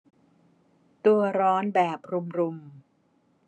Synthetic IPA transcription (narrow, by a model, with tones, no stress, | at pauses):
t̪u˧ɐɾɔː˦˥nbɛː˨˩p̚ɾu˧mɾu˧m